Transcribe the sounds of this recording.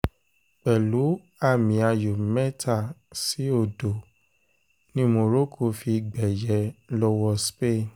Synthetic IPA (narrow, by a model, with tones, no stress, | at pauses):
k͡pɛ˨lu˨˦ | a˦˨mĩ˨a˧jo˨mɛ˦tʰa˦˨si˨˦o˦˨do˨ | nĩ˦mõ˧ɾo˦kʰo˧˨fi˧ɡ͡bɛ˨jɛ˨˦lɔ˧wɔ˧spe˦˨